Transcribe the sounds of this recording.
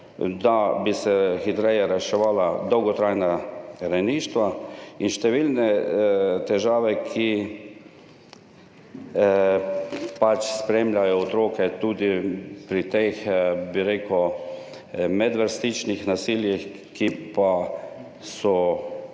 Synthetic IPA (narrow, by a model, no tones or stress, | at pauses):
d̪abisɛxit̪ɾɛjɛɾɛʃɛʋaːlad̪ɔwɡɔt̪ɾajnaɾajniːʃt̪ʋainʃt̪ɛʋilnɛ | t̪ɛʒaːʋɛkʰi | pat͡ʃspɾeːmʎʲajɔːt̪ɾoːkɛt̪uːd̪ipɾit̪exbiɾeːkɔ | mɛd̪ʋəɾst̪it͡ʃnixnasiːljix | kipa | sɔ